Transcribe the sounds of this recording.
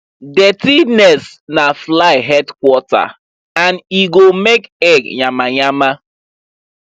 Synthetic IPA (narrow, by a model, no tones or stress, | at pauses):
detinɛs | naflaɪɦɛdkwɔta̰ | aniɡomekɛɡɲamaɲama